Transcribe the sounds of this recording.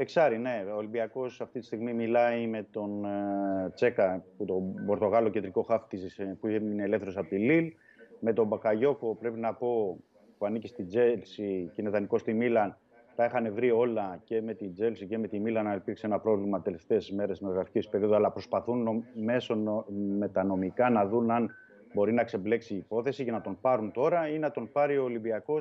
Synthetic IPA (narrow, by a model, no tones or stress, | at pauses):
eksɐɾine̞oːlimbiɐko̞sɐft̪it̪ist̪iɣmimilɐime̞t̪o̞n | t͡se̞kɐput̪o̞bo̞ɾt̪o̞ɣɐlo̞ced̪ɾiko̞xɐft̪izispuineːle̞fθe̞ɾo̞sɐpot̪ilil | me̞t̪o̞bɐkɐʝo̞ko̞pɾe̞pinɐpo̞ | puɐnicist̪id͡zelsicinet̪ɐniko̞st̪imilɐn | t̪ɐixɐne̞vɾio̞lɐce̞me̞t̪id͡ze̞lsice̞me̞t̪imilɐnɐnelpiɾkseenɐpɾo̞vlimɐt̪e̞le̞ft̪e̞ːsme̞ɾesnoɾoɣɾɐfi̥cespe̞ɾio̞ðoɐlɐpɾo̞spɐθunme̞so̞me̞t̪ɐno̞mikɐnɐðunɐn | bo̞ɾinɐkse̞ble̞ksiːpo̞θe̞sicɐnɐt̪o̞npɐɾunt̪o̞ɾɐineɐt̪o̞npɐɾioːlimbiɐko̞s